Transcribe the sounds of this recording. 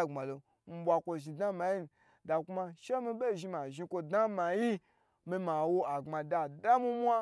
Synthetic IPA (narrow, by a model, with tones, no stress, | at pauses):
ŋ͡ma˨lo˨ | m̩˦bʷa˧kʷo˧ʒi˧da˦ma˨ji˦n˧ | da˨ku˦ma˧ʃe˦mi˧be˦˨ʒi˧ma˨ʒi˧kʷo˧da˦ma˨ji˦ | mi˧ma˨wo˧a˨ŋ͡ma˨da˧˨da˦mĩ˦mʷ˦a˦